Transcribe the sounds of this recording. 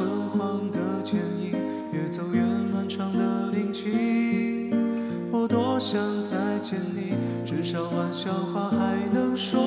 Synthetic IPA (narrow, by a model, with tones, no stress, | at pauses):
ə˧˥nxwɑ˥˧ŋd̪ə˨t͡ɕʰjɛ˧˥ni˧˥ŋ | jɛ˧˩t͡so˨˩ʊɥɛ˧˥nna˧˥nʈ͡ʂʰɑ˧˥ŋd̪ə˨li˧˩ŋt͡ɕʰy˥ | xwɔ˧˩t̪wɔ˥ɕjɑ˧˥ŋt͡sa˧˥ɪt͡ɕʰjɛ˧˥nli˧˩ | ʈ͡ʂɻ̩˧˥ʂɑ˨˩ʊwa˧˥nɕjɑ˥˩ʊxwa˥˧xa˧˥ɪnɤ˧˥ŋʂwɔ˥